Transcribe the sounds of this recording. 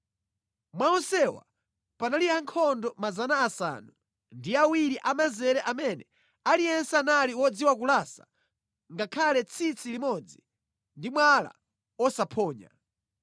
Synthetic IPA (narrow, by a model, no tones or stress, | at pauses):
mwaɔnsɛwa̰ | panaliaŋkʰɔndɔmazanaːsa̰nu | ndiawiɾiʔamazɛɾɛʔamɛnɛ | aliɛnsanaliwɔd͡ziwak̬ulasa̰ | ŋɡakʰalɛt͡sʰit͡sʰilimɔd͡zi | ndimwala̰ | ɔsapʰɔːɲa̰